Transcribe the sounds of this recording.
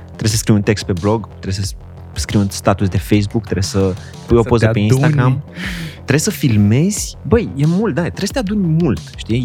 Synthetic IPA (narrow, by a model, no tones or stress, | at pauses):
t̪ɾe̞səskɾiwunt̪e̞kst̪̚pe̞blo̞ɡt̪ɾe̞sə | skɾiwunst̪at̪us̬d̪e̞fejs̬bukt̪ɾe̞sʲsə | pujo̞pozəpeinst̪aɡɾamt̪ɾe̞səfilme̞z̥ʲbəjje̞mult̪̚d̪at̪ɾesə̥t̪ead̪unʲmult̪ʃt̪i